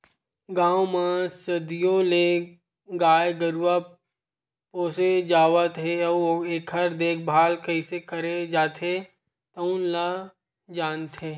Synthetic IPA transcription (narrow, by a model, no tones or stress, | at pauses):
ɡãːwmãsɐd̪ijole | ɡaːjɡəɾwa | poːsed͡ʒaːʋət̪ɦeɔoeːkʰəɾd̪eːk̚ʰbʱaːlkɐisekəɾed͡ʒaːt̪ʰɦe | t̪ɐʊnla | d͡ʒaːnt̪eː